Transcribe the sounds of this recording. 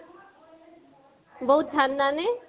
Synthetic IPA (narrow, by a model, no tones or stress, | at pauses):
bəɦut̪̚d̪ʱanːane